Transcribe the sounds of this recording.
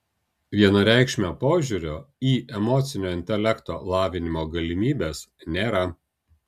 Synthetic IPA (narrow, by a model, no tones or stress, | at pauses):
ʋʲiɛnɐɾʲæˑɪkʃʲmʲoːpoːʒʲuɾʲoːiːʔɛmɔːt̪sʲɪnʲoːɪnʲt̪ʲɛlʲɛkt̪oːlˠɑːʋʲɪnʲɪmoːɡɐlʲɪmʲiːbʲeːsnʲeːɾɐ